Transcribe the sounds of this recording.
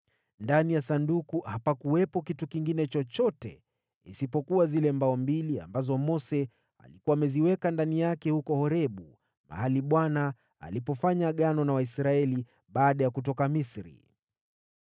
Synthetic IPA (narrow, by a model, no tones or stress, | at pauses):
ndanijasandukuhapakuwɛpɔkitukiŋɡinɛt͡ʃɔt͡ʃɔtɛ | ḭsipɔkuwazilɛmbaɔmbilia̰mbazɔmɔsɛ | a̰likuwaːmɛziwɛkandanijakɛhukɔhɔɾɛɓu | ma̰haliɓwana̰ː | lipɔfaɲaɠanɔnawaisɾaɛli | ɓaːɗajakut̬ɔkamisɾḭ